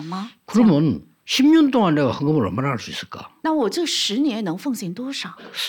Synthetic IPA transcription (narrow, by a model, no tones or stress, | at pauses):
mɐkɯɾʌmjʌn | ɕʰibɲʌntoŋandewahaŋɡɯmɯɾʌ̰ɭmaɾahaɭs͈uis͈ɯɭk͈a̰nawɔʈ͡ʂɤɡʂɻ̩njɛnnɤŋfɤŋɕɛnt̪wɔʂɑ